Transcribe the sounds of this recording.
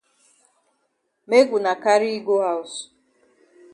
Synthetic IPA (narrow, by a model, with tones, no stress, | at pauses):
me˦ɡʷu˨na˨ka˦ɾi˦i˦ɡo˦ɦa˦˨ʊ˨s